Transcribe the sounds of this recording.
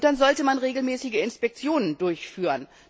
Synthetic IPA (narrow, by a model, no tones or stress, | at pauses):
d̥anzɔltəmanʁeːɡl̩mɛːsɪɡəɪnspɛk̚t͡sjoːnəndʊɐçfyːʁən